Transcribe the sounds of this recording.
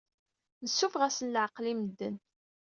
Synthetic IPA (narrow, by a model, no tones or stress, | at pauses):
nəsːufʁæsənlʕəqlimd̪ːən